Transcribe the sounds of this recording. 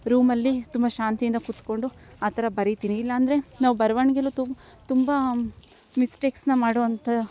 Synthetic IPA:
ɾuːmɐlːit̪umbɐʃaːnt̪ijind̪ɐkut̪ko̞ɳɖu | aːt̪ʰɐɾɐbɐɾit̪iːniilːɐːnd̪ɐɾe̞naːʋubɐɾʋɐɳɡelut̪u | t̪umbɐ | misʈeːksnɐmaːɽoʋɐnt̪ɐ

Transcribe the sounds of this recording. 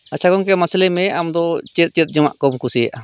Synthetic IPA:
at͡ʃʰakɔnk̬ɛmasɛlɛmɛʔamd̪ɔt͡ʃɛt̪̚ˀt͡ʃət̪̚ˀd͡ʒɔma̰ʔkɔmkusijaʔa

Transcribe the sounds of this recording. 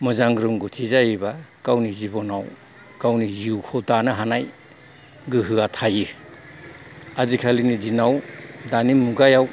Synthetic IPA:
mɯzaŋɾɯmɡɯtʰizajibakawnizibɔnaw | kawniziukʰɔdanaɦanaj | ɡɯɦɯatʰajɯ | azikʰalinidinawdanimuɡajaw

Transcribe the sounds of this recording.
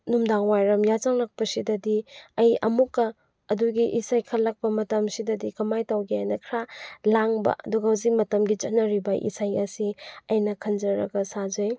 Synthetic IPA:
numdaŋwajɾɐmjazaŋlak̚pɐsidɐdiɐjɐ̰mukːɐ | ɐduɡiʔisajkʰɐlːɐk̚pɐmɐtɐmsidɐdikɐmajtawɡijajnɐkʰɾalaŋbɐ̰ɐ̰duɡɐhuzik̚mɐtɐmɡit͡ʃɐtnːɐɾibɐʔḭsajɐsiɐjnɐkʰɐnd͡ʒɐɾɐ̰ɡɐsazej

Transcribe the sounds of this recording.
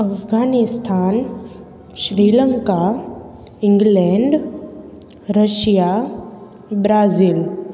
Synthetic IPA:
ɐfɡaːnist̪ʰaːn | ʃɾiːləŋka | ɪ̃ŋɡlɛ̃ɳɖ | ɾəʃja | bɾaːzil

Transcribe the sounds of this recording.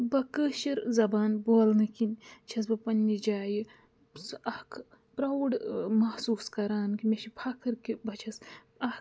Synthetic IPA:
bɐkəːʃɐɾzɐbaːnboːlnɨkinʲt͡ʃʰɐs̬bɐpɐnʲːid͡ʒaːji | sɐhkʰ | pɾɐwɖmɐhsuːskɐɾaːnkimeʃipʰɐkʰɐɾkibɐt͡ʃʰɐs | ɐ

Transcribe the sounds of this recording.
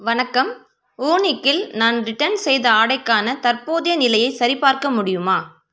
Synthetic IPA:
ʋɐnɐkːɐm | oːnɪkːɪlnaːnɾɪʈːɐnsɛjðɐaːɽɐɪkːaːnɐt̪ɐɾpoːðɐjɐnɪlɐjɐɪsɐɾɪpaːɾkɐmʊɽɪjɯmaː

